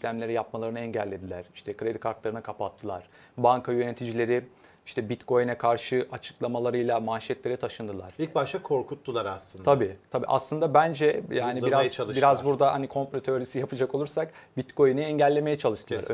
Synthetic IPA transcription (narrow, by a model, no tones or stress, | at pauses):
iʃlʲæmlʲe̞ɾijapmalˠaɾɯnɛɲɟælʲːe̞d̪ilʲæɾi̥ʃt̪ʰɛkɾed̪ikʰaɾt̪lˠaɾɯnɯkʰapat̪ʰːɯlˠaɾ̥ | baŋkʰajø̞ne̞t̪ʰid͡ʒilʲe̞ɾɪ | iʃt̪ʰɛbit̪kʰo̞jnɛkʰaɾʃɯʔat͡ʃʰɯ̥klˠamalˠaɾɯjlˠamaʃɛt̪lʲe̞ɾɛt̪ʰaʃɯnd̪ɯlˠaɾ̥il̚ʲbaʃt̪akʰo̞ɾkʰut̪ːulˠaɾaslˠɯnd̪ʰabiːt̪ʰabiːʔa̰slɯnd̪abænd͡ʒɛjaːnibbiɾazlˠbiɾazbuɾd̪ahanikʰo̞mplʲet̪ʰøɾisijapʰɯd͡ʒakolˠuɾsak | bit̪kʰo̞jniɛɲɟælʲːemejɛt͡ʃʰalˠɯʃt̪ʰɯlˠaɾ